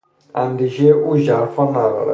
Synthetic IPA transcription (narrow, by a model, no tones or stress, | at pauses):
ænd̪iʒeʔuːʒæɾfɔnæd̪ɔ̰ɾɛ̰